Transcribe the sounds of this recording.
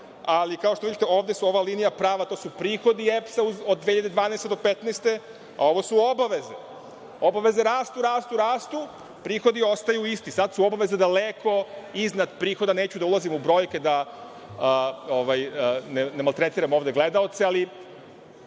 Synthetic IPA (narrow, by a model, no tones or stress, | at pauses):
alikao̞ʃt̪oʋid̪it̪eo̞ːʋd̪esuo̞ʋaliːnijapɾaːʋat̪o̞ːsupɾiːxo̞d̪iepsauzod̪ːeçiʎad̪ed̪ʋaːnest̪e̞d̪o̞pet̪neːst̪e̞ | a̰o̞ʋosuo̞baʋe̞zḛ | obaʋe̞ze̞ɾaːst̪uɾaːst̪uɾaːst̪u | pɾiːxo̞d̪io̞st̪ajuist̪isad̪suo̞baʋe̞zed̪alekʰo̞iznad̪pɾiːxo̞d̪ane̞ːt͡ɕud̪aulazimubɾo̞ːjke̞d̪a | əoʋajnenemalt̪ɾet̪iːɾamo̞ːʋd̪e̞ɡle̞d̪ao̞t̪seali